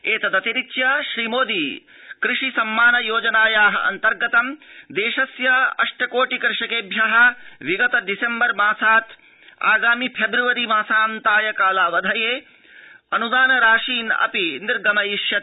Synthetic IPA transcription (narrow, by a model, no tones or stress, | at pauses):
eːt̪ɐd̪ɐt̪iɾitjɐʃɾiːmoːd̪iː | kɾɪʂisɐmːaːnɐjoːd͡ʒɐnaːjaːɦɐ̰ʔɐ̰nt̪ɐɾɡɐt̪ɐmd̪eːʃɐsjɐɐ̰ʂʈɐkoːʈikɾɪʂɐkeːbʱjɐɦɐ̆ʋiɡɐt̪ɐɖisembɐɾmaːsaːt̪ | a̰ːɡaːmipʰebɾuʋɐɾimaːsaːnt̪aːjɐkaːlaːʋɐd̪ʱɐjeː | ɐnud̪aːnɐɾaːʃiːnɐ̰piniɾɡɐmɐjiʃjɐ